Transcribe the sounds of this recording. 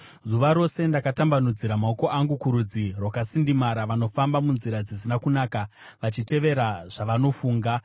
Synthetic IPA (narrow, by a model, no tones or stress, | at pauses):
zuʋaɾo̞se̞ndakatambanud͡ziɾamao̞ko̞ʔaŋɡukuɾud͡zirwakasindimaɾaʋano̞fambamunziɾad͡zis̬inakunaːka | ʋat͡ʃite̞ʋe̞ɾaʐaʋano̞fuːŋɡa